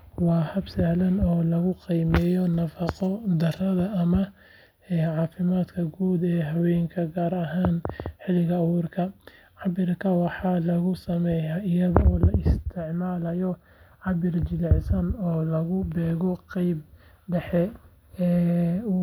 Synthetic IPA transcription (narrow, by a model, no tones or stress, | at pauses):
wɑːhɐbsɐhlɐnɔːlɐɣʊqijmɛːjɔnɐfɑqɔd̪ɐrɐðɐʔːmɐ | ɛːʕɑːfɪmaːd̪kʰɐɡuːd̪ɛːɦɐwɛːjŋkʰɐɡaːɾɐɦaːnħɪlɪɣɐːwuːrkʰɐ | ʕɑbɪrkʰɐwɑħɑːlɐɣʊsɐmɛjaɪjɐðɐɔːlɐɪst̪ʰɪʕmaːlɐjɔ | ʕɑbɪrt͡ʃɪðʕɪsɐnɔːlɐɣʊbɛːɣɔqɑjb | ɖɛħɛ | ɛː